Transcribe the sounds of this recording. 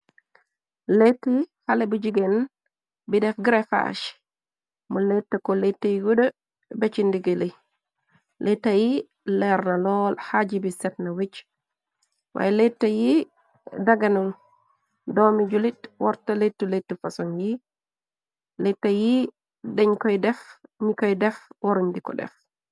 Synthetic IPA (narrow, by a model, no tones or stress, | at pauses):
letːihalebud͡ʒiɡen | bidɛfɡɾefa̰ʃ | muletːakɔletːajiɡudə | bet͡ʃindiɡeli | lʔetːaji | lɛɾnalɔːlhad͡ʒibisɛtnawit͡ʃ | wʔa̰jlɛtːaji | daɡanun | dɔmid͡ʒulitwɔɾtaletːuletːufasɔnji | lɛtːaji | dɛɲkɔjdɛfmikɔjdɛfwoɾundikɔ̰dɛ̰f